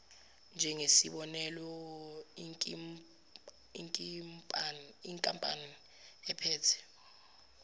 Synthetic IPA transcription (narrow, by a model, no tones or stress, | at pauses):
nd͡ʒʱɛŋesiɓɔnɛlɔi | iŋkʼpʼniŋkʼampʼa̰ni | ɛpʰɛːtʰɛ̥